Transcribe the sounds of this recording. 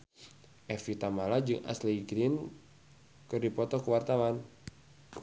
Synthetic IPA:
ʔɛfit̪amalad͡ʒɨŋʔa̰sliɡɾin | kɨrdipɔt̪ɔkəwart̪awan

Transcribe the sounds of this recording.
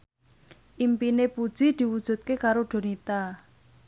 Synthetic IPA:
ʔimpinepud̥ʒ̥i̤d̪̥i̤wud̥ʒ̥ṳt̪̚kekaɾoɖ̥o̤nit̪a

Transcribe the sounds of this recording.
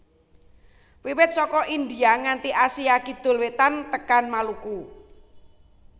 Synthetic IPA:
wiwɪt̪̚sɔkɔʔind̪iaŋant̪iʔasiakid̪̥ʊ̤lwet̪ant̪əkanmaluku

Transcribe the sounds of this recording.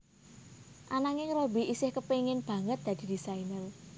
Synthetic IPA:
ʔanaŋɪŋrobi̤ʔisɪhkəpeŋɪnb̥ä̤ŋət̪̚d̪̥ä̤d̪̥i̤d̪̥isainəl

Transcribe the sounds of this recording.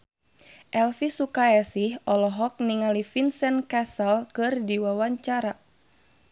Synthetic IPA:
ʔɛlfisukaɛsihɔlɔɦɔk̚niŋalifinsɛnkasəlkɨrdiwawaɲt͡ʃaɾa

